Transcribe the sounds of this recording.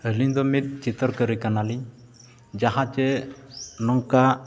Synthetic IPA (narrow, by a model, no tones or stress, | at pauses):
əliɲd̪ɔmit̪̚t͡ʃit̪ɔɾkəɾikanaliɲ | d͡ʒaɦat͡ʃɛ | nɔŋka